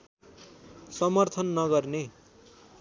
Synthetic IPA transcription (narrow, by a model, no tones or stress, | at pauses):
sʌmʌrt̪ʰʌnːʌɡʌrne